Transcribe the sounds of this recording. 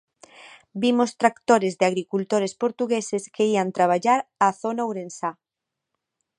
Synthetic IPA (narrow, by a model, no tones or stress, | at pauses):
bimost̪ɾakt̪oɾɪzðɪaɣɾikult̪oɾespoɾt̪uɣesɪskeiant̪ɾaβ̞aʎaɾaθonawɾensa